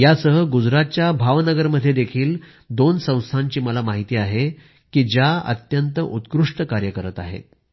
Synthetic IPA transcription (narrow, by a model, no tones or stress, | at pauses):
jasəɦəɡud͡zɾat̪̚t͡ɕjabʱaʋnəɡəɾməd̪ʱːjed̪ekʰiːl | d̪onsə̃w̃st̪ʰãɲt͡ɕiːməlamaɦit̪iːaɦe | kiːd͡ʑjaə̰t̪jənt̪əʔut̪kɾuʂʈəkaɾjəkəɾət̪a̰ɦḛt̪̚